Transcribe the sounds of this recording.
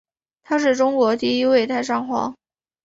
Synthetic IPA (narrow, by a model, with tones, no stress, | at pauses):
t̪ʰa˥ʂ̬ɻ̩˥˩ʈ͡ʂʊ˥ŋkwɔ˧˥t̪i˥˧i˥we˥˧ɪt̪ʰa˥˧ɪʂɑ˥˩ŋxwɑ̰˧˥